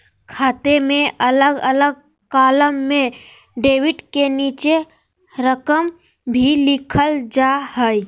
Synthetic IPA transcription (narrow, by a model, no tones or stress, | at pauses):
kʰaːt̪emẽʔələɡələɡ̚ | kaːləmːẽ | ɖeːwɪɖkeniːt͡ʃe | ɾəkəm | bʱilɪkʰəld͡ʒaɦəi